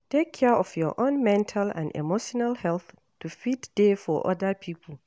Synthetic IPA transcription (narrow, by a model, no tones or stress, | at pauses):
tekʰːɛʔɔfjɔʔõnmɛ̃ntʰalã̰nḛmoʃɔnalhɛlθ | tʰufidd̥efɔʔɔ̰dapʰipʰl